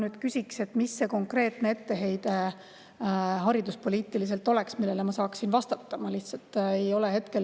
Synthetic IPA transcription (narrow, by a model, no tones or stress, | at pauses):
nyːd̪̥kysʲikse̞t̪ːmisːe̞ko̞ŋkre̞ːt̪ne̞e̞t̪ːe̞ɦe̞jd̪̥e̞ | ɦɑɾid̪uspo̞lʲiːt̪ːˑilis̬e̞lt̪ˑo̞le̞ksmilːelemɑsɑːksinvɑst̪ɑt̪ːɑmɑliht̪sɑlt̪ːˑejo̞leɦe̞t̪ke̞l